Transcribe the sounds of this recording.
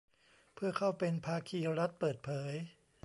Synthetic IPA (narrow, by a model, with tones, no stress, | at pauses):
pʰɯ˥˩ɐkʰa˥˩wpe˧npʰaː˧kʰiː˧ɾa˦˥t̪̚pɤː˨˩t̪̚pʰɤː˩˦j